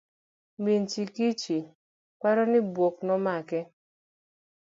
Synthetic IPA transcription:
mint͡ʃikit͡ʃi | kaɾɔnɪbwok̚nɔmakɛ

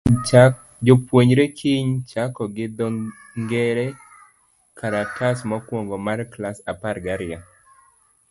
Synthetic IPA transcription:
d͡ʒopwoɲɾekʰɪɲt͡ʃakɔɡɪd̪ɔ | ŋɡɛɾɛ | kʰaɾatasmɔkwɔŋɡɔmarklasaparɡaɾɪa

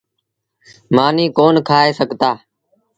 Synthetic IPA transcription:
maːniːkoːnkʰaːeːsəɡʱt̪aː

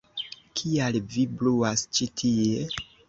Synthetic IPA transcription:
kʰialvibluast͡ʃitʰie

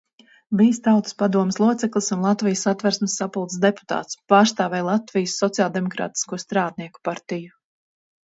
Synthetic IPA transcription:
viːst̪awt̪ɨ̥spad̪uɔmɪslˠuɔt̪sɛklˠisunlˠat̪vijəsat̪væɾsmsːapulˠt̪sd̪epu̥t̪a̰ːt̪spaːɾst̪aːvɛjlˠat̪vijəsːɔt̪siaːlˠd̪ɛmɔkɾa̰ːt̪i̥skuɔst̪ɾaːd̪̚niɛku̥paɾt̪iju

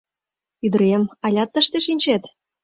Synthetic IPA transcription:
yd̪ə̆ɾemɑlʲɑt̪ːəʃt̪eʃinʲt͡ɕet̪

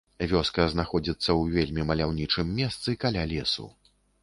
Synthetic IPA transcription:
vʲɔskɐznaxɔd͡zʲit̪sːɐwvʲelʲmʲimɐlʲawnʲit͡ʂɨmːʲɛst̪sɨkalʲalʲɛsṵ

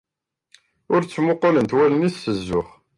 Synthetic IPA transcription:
ʊɾt͡sːmʊqːʊlənt̪wæləniθːəzːʊχ

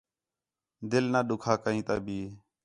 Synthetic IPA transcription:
d̪ɪlnaːɗʊkʰaːkəɦĩːt̪aːbʱiː

